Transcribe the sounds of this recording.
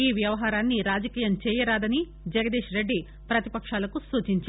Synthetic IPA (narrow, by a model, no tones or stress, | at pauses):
iːʋjɐʋɐɦaːɾaːnːiɾaːd͡ʒɐkiːjɐmt͡ʃɛːjɐɾaːd̪ɐni | d͡ʒɐɡɐd̪iːʃɾe̞ɖːi | pɾɐt̪i̥pɐkʂaːlɐkusuːt͡ʃiɲt͡ʃː